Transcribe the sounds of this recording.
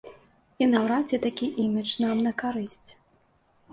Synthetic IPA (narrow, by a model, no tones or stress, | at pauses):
inawɾat͡sʲɛt̪akʲiʔimʲit͡ʂnamnɐkaɾɨsʲt͡sʲ